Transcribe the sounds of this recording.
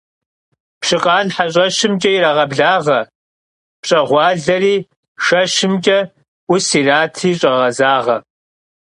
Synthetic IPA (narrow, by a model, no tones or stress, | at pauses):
pɕɨqʼɑːnħaɕʼɐʃɪmt͡ʃʼɐiɾaʁɐbɮaːʁɐ | pɕʼɐʁʷɑːɮɐriː | ʂɐʃɪmt͡ʃʼɐ | ʔʷʊsiraːtʰiːɕʼɐʁɐzaːʁɐ